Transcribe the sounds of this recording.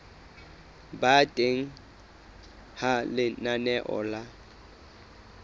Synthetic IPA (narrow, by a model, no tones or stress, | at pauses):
batʼeŋ̩ | halɪnanɛʔɔ̰la